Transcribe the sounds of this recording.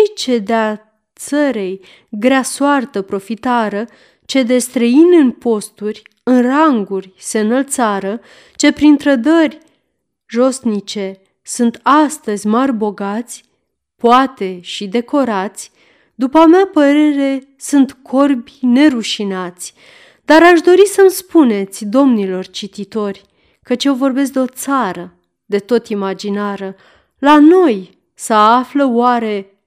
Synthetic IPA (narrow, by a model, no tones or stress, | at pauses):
t͡ʃed̪ea | t̪səɾej | ɡɾasoart̪əpɾo̞fit̪aɾə | t͡ʃe̞d̪e̞st̪ɾəinʲɨnpo̞st̪urʲ | ɨnraŋɡurʲse̞ɨnəlt̪saɾə | t͡ʃe̞pɾint̪ɾəd̪ərʲ | ʒo̞snit͡ʃe̞ | sunt̪ast̪əzʲmarʲbo̞ɡat̪sʲ | poat̪e̞ʃid̪e̞ko̞ɾat̪sʲ | d̪upəameapəɾe̞ɾe̞ | sunt̪kʰo̞rbʲine̞ɾuʃinat̪sʲ | d̪aɾaʃd̪o̞ɾisəmspune̞t̪sʲd̪o̞mnilo̞rt͡ʃit̪it̪o̞rʲ | kət͡ʃje̞wvo̞rbe̞s̬k̚d̪eo̞t̪saɾə | d̪e̞t̪o̞t̪imad͡ʒinaɾə | lano̞j | səafləwaɾe̞